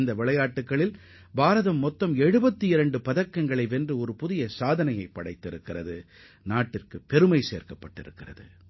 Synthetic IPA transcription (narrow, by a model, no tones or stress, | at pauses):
nd̪ɐʋɪɭɐjaːʈːɯkːɐɭɪl | baːɾɐðɐmːɔt̪ːɐmɛɻɯbɐt̪ːɯɪɾɐɳɖɯpɐðɐkːɐŋɡɐɭɐɪʋɛndrɯɔɾɯpʊðɪjɐsaːðɐnɐjɐɪpːɐɽɐɪt̪ːɪɾɯkːɪrɐðɯ | naːʈːɪrkɯpːɛɾɯmɐɪsḛːrkɐpːɐʈːɪ̰ɾɯkːɪrɐ̰ðɯ̰